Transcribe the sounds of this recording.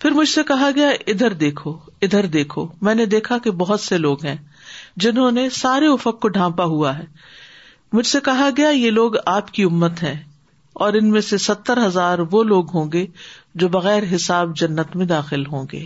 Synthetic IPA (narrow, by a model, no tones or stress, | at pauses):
pʰɪɾmʊd͡ʒʱsekɐɦaɡɐjaʔɪd̪ʱəɾd̪eːkʰoɪd̪ʱəɾd̪eːkʰomɛ̃ːned̪eːkʰakebɐɦʊt̪seloːɡɦɛ̃ː | d͡ʒɪnɦõːnesaːɾeʊfəqkoɖʱãːpaɦuaɦɛː | mʊd͡ʒʱsekɐɦaɡɐjajeːloːɡaːpkiʊmːət̪ɦɛ̃ː | ɔːɾɪnmẽsesɐt̪ːəɾɦɐzaːɾʋoːloːɡɦõːɡed͡ʒoːbɐɣɛːɾɦɪsaːbd͡ʒɐnːət̪mẽd̪aːxɪlɦõːŋɡḛː